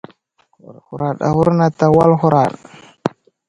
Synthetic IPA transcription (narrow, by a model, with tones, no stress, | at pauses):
u˨ɾa˨ɗa̰˨hu˦ɾna˨ta˨wa˦lxu˦ɾa˨ɗ